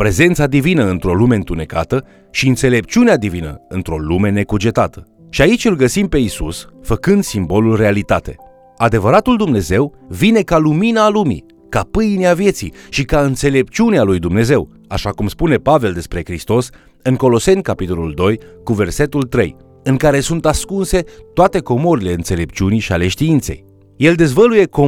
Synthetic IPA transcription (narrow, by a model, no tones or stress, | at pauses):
pɾe̞ze̞ntsad̪ivinəɨnt̪ɾo̞lume̞ɨnt̪une̞ka̰t̪ə | ʃiɨnt̪se̞le̞pt͡ʃiunead̪ivinə̰ɨnt̪ɾo̞lume̞ne̞kud͡ʒe̞t̪at̪ə̥ | ʃiait͡ʃʲɨlɡəsimpe̞isusfəkɨnd̪simbo̞lulre̞alit̪at̪e̞̰ | ad̪e̞vəɾat̪uld̪umne̞ze̞wvine̞kaluminaːlumḭ | kapɨjneavje̞t̪sḭʃikaɨnt̪se̞le̞pt͡ʃiunealujd̪umne̞ze̞w | a̰ʃakumspune̞pave̞ld̪e̞spɾe̞kɾist̪o̞s | ɨŋko̞lo̞se̞nʲkapit̪o̞lṵld̪o̞jkuve̞rse̞t̪ult̪ɾe̞̰j | ɨŋkaɾe̞sunt̪askunse̞t̪oat̪e̞ko̞moɾile̞ɨnse̞le̞p̚t͡ʃiuniʃiale̞ʃt̪iint̪sḛj | je̞ld̪e̞zvəluje̞ko